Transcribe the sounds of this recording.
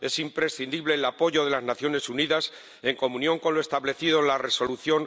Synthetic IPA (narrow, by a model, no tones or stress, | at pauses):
e̞simpɾe̞sθind̪iβle̞ːlapo̞ʝo̞ðe̞laznaθjo̞ne̞suniðas | e̞ŋko̞mũnjo̞ŋko̞nloe̞st̪aβle̞θiðonlare̞so̞luθjo̞n